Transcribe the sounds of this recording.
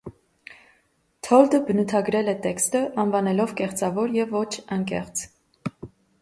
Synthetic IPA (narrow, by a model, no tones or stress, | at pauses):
t̪ʰɔld̪əbənut̪ʰɑɡɾɛlɛt̪ɛkst̪əʔɑnvɑnɛlɔvkɛχt͡sɑvɔɾjɛvɔt͡ʃʰɑŋkɛ̰χt͡s